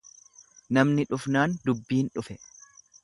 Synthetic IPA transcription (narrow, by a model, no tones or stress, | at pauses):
nɐmnɪᶑʊfnaːnd̪ʊbːiːnᶑʊfɛ